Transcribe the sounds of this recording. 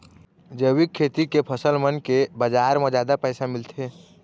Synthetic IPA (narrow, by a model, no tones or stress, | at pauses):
d͡ʒəwɪkʰːeːt̪ikepʰəsəlmənkebəd͡ʒaːɾmɔ̃d͡ʒaːd̪apɛːsamɪlt̪eɦɛː